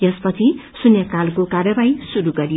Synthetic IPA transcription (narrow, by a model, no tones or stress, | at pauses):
jʌspʌt͡sʰisunjʌkalkokarjʌbaisuɾuɡʌɾi